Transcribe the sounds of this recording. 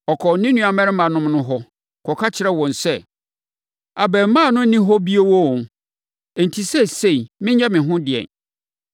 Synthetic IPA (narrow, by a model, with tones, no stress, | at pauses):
ɔ˨kʰɔ˨˦nĩ˦nũ˦a˨mɛ̃˦ɾɪ˦mã˨nʊ̃˦mnʊ̃˦ɦɔ˦ | kʰɔ˨kʰa˦t͡ɕʰɪ˨˦ɾɛ˦wɔ̃˨nsɛ˦ | a˨bɛ˨m˦mã˦˨nʊ̃˦nĩ˦ɦɔ˦bi˦e˦wɔ̃˦˨ | e˨n˨tʰi˨sɛ˦se˦˨i˨mɪ̃˦ɲ˦ɛ˦mɪ̃˨ɦʊ̃˦dɪ˨ɛ̰̃˨n